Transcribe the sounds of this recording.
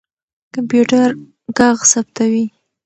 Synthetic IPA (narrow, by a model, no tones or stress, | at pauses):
kampjuʈaɾ | ɡɑɣsap̚t̪awi